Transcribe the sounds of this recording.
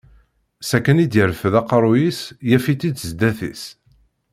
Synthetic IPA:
sækːænid̪jəɾfəðɑqɾˤujisjæfit̪ːid̪zd̪æθḭs

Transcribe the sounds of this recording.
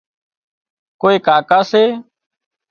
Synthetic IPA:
koːeːkaːkaːseː

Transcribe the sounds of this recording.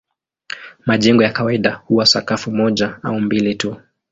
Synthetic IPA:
maʄɛŋɡɔjakawaiɗahuwasakafumɔʄaa̰umbilitu

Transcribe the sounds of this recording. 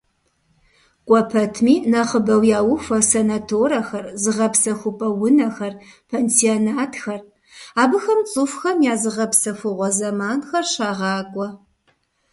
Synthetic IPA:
kʷʼɔpʰɐtʰmiːnɐχəbɐwjaːwʊfɐsenatʰoːɾɐxɐrzɨʁɐpsɐxʷʊpʼɐwʊnɐxɐrpʰeːnsionaːtʰxɐr | aːbɨxɐmt͡sʼɨfxɐmjaːzɨʁɐpsɐfɨʁʷɔzɐmaːnxɐrɕaːʁɑːkʷʼɔ

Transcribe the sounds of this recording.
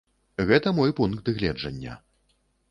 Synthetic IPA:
ɣɛt̪ɐmɔjpunk̪d̪ɨɣlʲɛd͡ʐɐnʲːɐ̰

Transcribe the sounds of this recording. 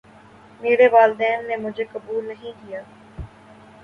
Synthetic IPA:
meːɾeʋaːld̪ɛːnːemʊd͡ʒʱekɐbuːlnɐɦĩkijaː

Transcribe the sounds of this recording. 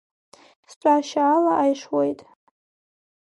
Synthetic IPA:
sʈ͡ʂʷʼaʃaːlaʔajʂwejtʼ

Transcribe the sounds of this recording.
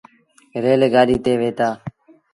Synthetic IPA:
ɾeːleːɡaːɗiːt̪eːʋeːt̪aː

